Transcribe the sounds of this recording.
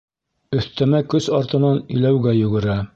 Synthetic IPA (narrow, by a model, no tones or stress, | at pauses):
ɵ̆θt̪æmækɵsɒɾt̪ɤ̆nɑnɵ̆jlæwɡæjɵ̆ɡɘ̆ɾæ